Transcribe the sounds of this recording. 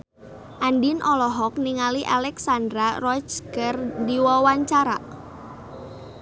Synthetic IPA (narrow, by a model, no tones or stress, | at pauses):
ʔandinʔɔlɔɦɔk̚niŋaliʔa̰lɛksand̪ɾarɔt͡ʃɡərdiwɔwaɲt͡ʃaɾa